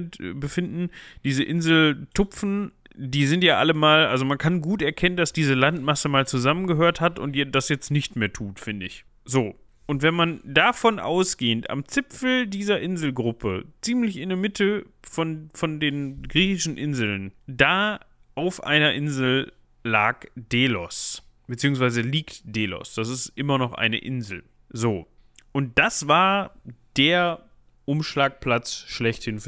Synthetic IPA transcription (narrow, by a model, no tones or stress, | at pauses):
bəfɪndn̩d̥iːzəʔɪnzl̩tʰʊpp͡fn̩ | diːzɪntjaːʔaləmaːlʔalzomankʰanɡuːtɛɐkʰɛnəndasd̥iːzəlantmasəmaːlt͡suzamənɡəɦøːɐthatʊ̰ntjɛdasjɛt͡stnɪçtmeːɐtʰuːtfɪndəɪç | z̥oː | ʔʊntv̥ɛnmandafɔnʔa̰ʊsɡ̥eːənta̰mt͡sɪpfl̩diːzɐʔɪnzl̩ɡʁʊpʰə̰t͡siːmlɪçɪnəmɪtʰə | fɔnfɔndeːnɡʁiːçɪʃn̩ʔɪnzl̩ndaː | ʔaʊfʔa̰ɪnɐʔɪnzl̩ː | aːkd̥eːlɔsb̥ət͡siːʊŋsv̥aɪzəliːktd̥eːlɔ̰sd̥as̬ɪstʔɪmɐnɔχʔa̰ɪnə̰ʔɪ̰nzl̩ | zoː | ʔʊnt̚d̥asv̥aːɐd̥eːɐ | ʔʊmʃlaːk̚pl̥at͡sʃlɛçthɪnf